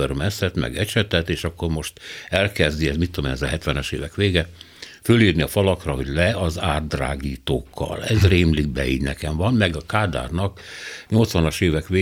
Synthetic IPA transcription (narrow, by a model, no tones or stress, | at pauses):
ørmɛsɛt̪mɛ̰ɡɛt͡ʃɛt̪ɛt̪eːʃɒkːo̞rmo̞ʃt̪ɛlkɛzd̪iɛzmit̪ːomḛnɛzɛɦɛt̪ʋɛnɛʃḛːvɛkʋeːɡɛ | føliːrniɒfɒlɒkrɒɦo̞ɟlɛɒzaːd̪ːra̰ːɡiːt̪oːkʰːɒ̰lɛzreːmliɡ̚bɛ̰ḭːɟnɛkɛmvɒnmɛɡɒkaːd̪a̰ːrnɒkɲo̞lt̪sʋɒnɒʃeːvɛkʋeː